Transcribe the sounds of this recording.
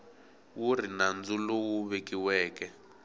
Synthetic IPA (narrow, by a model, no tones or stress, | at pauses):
wur̤inand͡zulɔwuβekiwɛːkɛ